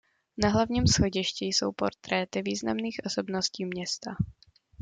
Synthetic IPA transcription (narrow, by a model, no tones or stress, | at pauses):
naɦlavɲiːmsxo̞ɟɪʃcijso̞̰wpo̞ɾt̪ɾɛt̪ɪviːzna̰mniːxʔo̞so̞bnosciːmɲɛst̪a